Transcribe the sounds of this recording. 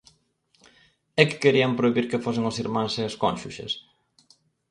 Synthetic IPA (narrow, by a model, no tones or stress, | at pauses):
ɛkɪ̥keɾiɐmpɾoiβiɾkefosɪŋosiɾmãŋseɐskõnʃuʃḛs